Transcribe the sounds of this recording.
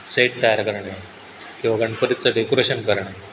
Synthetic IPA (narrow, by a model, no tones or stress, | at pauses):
seʈ̚t̪ajaɾkəɾɳae | kĩʋaɡəɳpəɾit̪̚t͡səɖekoɾeɕənkəɾɳaje